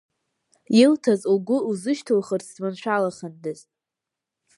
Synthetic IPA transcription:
ɪltʰazuɡʷʊuzɨʃtʰɨlχərt͡sʰzmanʃʷᶣalaχandɨztʼ

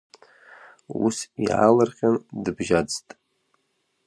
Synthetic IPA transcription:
ṵsiʕa̰lɨrχʲandɨbʒad͡ztʼ

